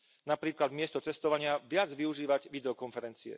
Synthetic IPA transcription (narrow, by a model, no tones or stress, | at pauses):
napɾiːklad̪mɪɛst̪ɔt͡sɛst̪ɔʋaɲɪaʋɪad͡zʋiuʒiːʋaɟʋid̪ɛɔkɔnfɛɾɛnt͡siɛ̰